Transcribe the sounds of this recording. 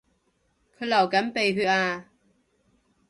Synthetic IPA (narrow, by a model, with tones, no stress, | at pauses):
kʰɯ˧lɐ˨˩wkɐ˨˥npe˨˩jɦɯ˧˩ʔaː˧